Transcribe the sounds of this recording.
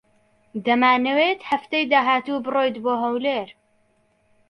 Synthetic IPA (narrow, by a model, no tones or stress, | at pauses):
d̪ɐmaːnɨwet̪hɐft̪ejd̪aːɦaːt̪uːbɨroːjd̪boːɦɐwleːɾ